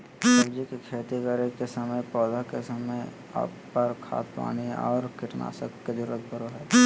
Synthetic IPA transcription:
ləɡd͡ʒikekʰeːt̪iɡəɾikesəməjpɔːd̪akesəməj | a̰ːpːɐɾkʰa̰ːt̪pa̰ːniɔ̰ːɾkɪʈna̰ːsəkːed͡ʒəɾuɾət̪̚bʱəɾoɦɛː

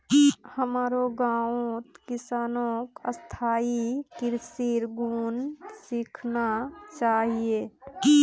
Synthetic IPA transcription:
həmaːɾoɡãːot̪kɪsaːnõkəst̪ʰaːikɪɾsiɾɡuːnsikʰnat͡ʃaːɦieː

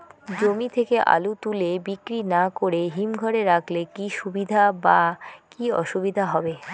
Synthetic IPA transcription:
d͡ʑomit̪ʰekeʔa̰lut̪ulebikɾinakoɾeɦimɡʱɔɾeɾakʰlekiʃubid̪ʱabakiɔ̰ʃubid̪ʱaɦɔbe

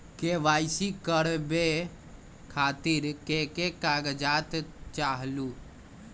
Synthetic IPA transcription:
keʋaːɪsikəɽbe | kʰaːt̪ɪɾkekekaːɡd͡ʒaːt̪t͡ʃaːɦlu

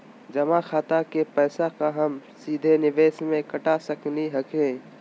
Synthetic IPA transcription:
d͡ʒɐmaxaːt̪akepɛːsakaɦɐmsiːd̪ʱenɪʋeːsmẽkɐʈasɐkniɦɐkẽː

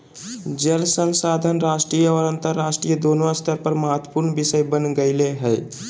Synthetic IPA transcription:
d͡ʒəlsənsaːd̪ʱənɾasʈɾijɔːɾənt̪əɾːasʈɾijəd̪onoəst̪ʰəɾpəɾməɦət̪ʰːəpuɾnbisəjbənɡəɪleɦɛː

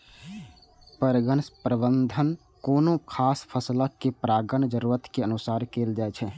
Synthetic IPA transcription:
pəɾɡənspɾəbənd̪ʱən | koːnõkʰaːspʰəsləkːepɾaːɡənd͡ʒəɾuːɾət̪keənusaːɾkeːld͡ʒaɛt͡ʃʰɛ

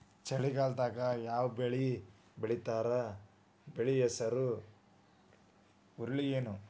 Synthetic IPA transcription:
t͡ʃɐɭikaːlt̪aːkɐjaːwɐbeɭi | beɭit̪aːɾɐ | beɭijesɐɾu | uɾliɡeːnu

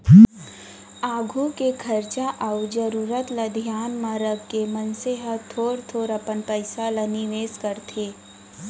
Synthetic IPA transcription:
aːɡʱukekʰɐɾt͡ʃaʔaud͡ʒəɾuːɾət̪ləd̪ʱjaːnmãɾəɡkemənseɦət̪ʰoːɾt̪ʰoːɾəpənpəɪsalɐniʋeːskəɾt̪ʰeː

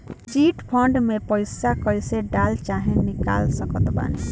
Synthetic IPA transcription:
t͡ʃiʈpʰəɳɖmepəɪsakəjseɖalt͡ʃaɦẽnika̰lsəkət̪ba̰ne

